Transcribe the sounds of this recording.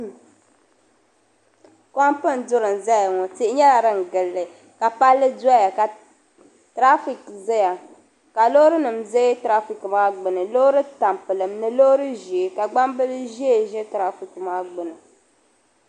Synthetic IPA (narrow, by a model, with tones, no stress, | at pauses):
ka˦mpɨ˦n˨dʊ˦ɾɨ˨n˨za˦ja˨ŋɔ˨ti˦ʔɪ˦ɲɛ˦la˨ɾɨ˦ŋ̩˨ɡɨ˨lːɨ˨ | ka˨pa˦lːɨ˦da˦ja˨ka˨ | tɾa˦fi˨kza˦ja˨ | ka˨lo˦ɾɨ˦nɨ˨mzɛ˦tɾa˦fi˨kmaː˦ɡ͡bɨ˨nɨ˨lo˦ɾɨ˦ta˨mpɨ˨lɨ˨mnɨ˨lo˦ɾɨ˦ʒi˨e˨ka˨ɡ͡ba˦mbɨ˦lɨ˦ʒi˦e˨ʒɛ˦tɾa˦fi˨kmaː˦ɡ͡bɨ˨nɨ˨